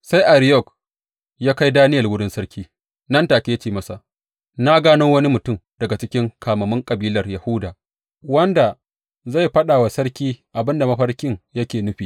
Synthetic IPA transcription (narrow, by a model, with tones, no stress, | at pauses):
sa˦jʔa˨ɾɪ˦jɔ˦˨k | jaː˦ka˦jdaː˦nɪ˦jɐ˨lwʊ˦ɽɪ˦nsɐ˦rkʲiː˦ | nɐ˦ntaː˨kʲe˦t͡ʃeː˨mɐ˦sa˨ʔ | na˦ɡaː˦nɪ˦ŋwɐ˦ni˦mʊ˨tʊ˦mdɐ˨ɡa˨t͡ʃɪ˦kʲɪ˦ŋkaː˨mɐ˨mʊ˦ŋkʼɐ˨biː˦lɐ˨rja˨hʊ˦daː˨ | wɐ˦nda˨ | za˦˨jɸɐ˦ɗaː˨wa˨sɐ˦ɽkʲiː˦ʔa˨bɪ˦nda˨mɐ˦ɸɐ˦rkʲɪ˦ŋjɐ˦kʲeː˨nʊ˦ɸiː˨